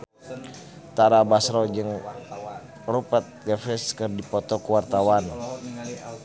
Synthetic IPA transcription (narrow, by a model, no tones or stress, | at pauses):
t̪aɾabasɾɔd͡ʒɨŋ | rupət̪̚ɡafɛskərdipɔt̪ɔkuwart̪awan